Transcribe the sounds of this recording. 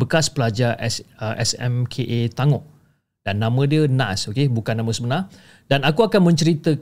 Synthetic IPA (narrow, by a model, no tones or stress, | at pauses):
bəkaspəlad͡ʒaʔɛsʔɛ̰sɛ̰mkʰeʔet̪aŋɔʔ̚ | d̥anːãmə̃diənã̰sokebukanːãmə̃səbənar | danakuakanmə̃ɲt͡ʃəɾit̪ə